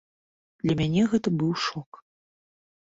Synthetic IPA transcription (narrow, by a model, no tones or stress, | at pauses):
d̪̥lʲɐmʲanʲɛɣɛt̪ɐbɨwʂɔk